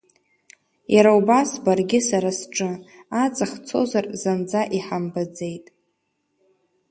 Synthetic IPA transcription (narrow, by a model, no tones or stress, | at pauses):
jaɾaubasbarɡʲɪsaɾasʈ͡ʂʼɨat͡sʼaχt͡sʰo̞̰zarzand͡zaʔiħambad͡zejtʼ